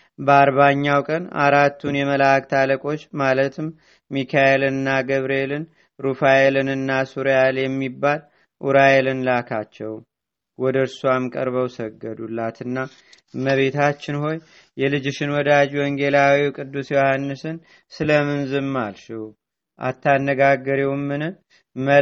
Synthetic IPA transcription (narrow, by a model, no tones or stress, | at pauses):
bəaɾβaɲːawkʼəna̰ɾat̪ːunjɛməlak̚t̪ʰaləkʼo̞t͡ʃːmalət̪ɨm | mikʰaelɨnːaɡəβɾie̞lɨn | ɾufajelɨnɨnːasuɾjaljɛmːibːal | ʔuɾajelɨnlakʰat͡ʃːɛw | wɔd̪əɨɾsuamkʼə̰ɾβəwsəɡːəd̪ulːat̪ɨnːa | məβe̞t̪ʰat͡ʃːɪnho̞j | jɛlɨd͡ʒɪʃɪnwɔd̪ad͡ʒwɔŋɡe̞lawikʼɨd̪ːusjohanːɨsɨn | sɨləmɨnzɨmːalʃɛw | ʔa̰t̪ʰːanːəɡaɡːəɾiwmːɨnɨ | mə